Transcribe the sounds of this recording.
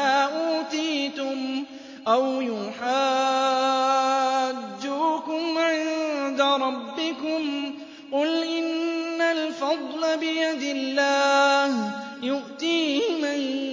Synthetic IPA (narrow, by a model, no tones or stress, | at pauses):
aːʔuːt̪iːt̪ʊm | ʔawjʊħaː | d̪ːuːkʊmʕɪnnd̪aɾˤɑbːɪkʊm | qʊlʔɪnːalfɑd̪ˤlabɪjad̪ɪlːaːh | jʊʔt̪iːhɪman